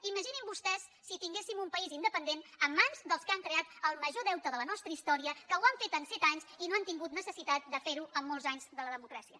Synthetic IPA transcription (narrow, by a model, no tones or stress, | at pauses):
iməʒinimbust̪ɛsːit̪iŋɡesimumpəizind̪əpənd̪enəmːanzd̪əlˠskaŋkɾeat̪əlˠməʒoðɛwt̪əðələnɔst̪ɾəist̪ɔɾiəkəwaɱfet̪ənsɛt̪aɲzinoant̪iŋɡut̪nəsəsit̪at̪̚d̪əfeɾuəmːɔlˠzaɲzðələðəmukɾasiə